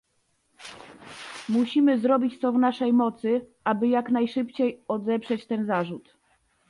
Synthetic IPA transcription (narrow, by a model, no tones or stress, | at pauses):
muɕimɘzɾɔbʲit͡ɕt̪sɔvnaʂɛjmɔt̪sɘʔabɘjaknajʂɘpt͡ɕejɔd̪ɛpʂɛt͡ɕt̪ɛnzaʐut̪